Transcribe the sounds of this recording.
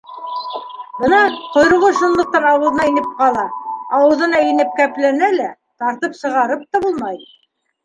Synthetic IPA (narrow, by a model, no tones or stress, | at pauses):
bɤnɑqŏjɾɤ̆ʁˠɤʃŭnlˠɤ̆q̚t̪ɑnɑwɤ̆ðɤ̆nɑinɘp̚qɑlˠɑɑwɤ̆ðɤ̆nɑinɘp̚kæplænælæ | t̪ɑɾt̪ɤpsɤ̆ʁɑɾɤp̚t̪ɑbulˠmɑj